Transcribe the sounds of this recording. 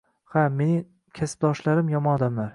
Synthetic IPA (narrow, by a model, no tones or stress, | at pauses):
hame̞nɪŋ | kʲʰasɪ̥b̚d̪ɒʃlaɾɪmjɒmɒnɒd̪amlaɾ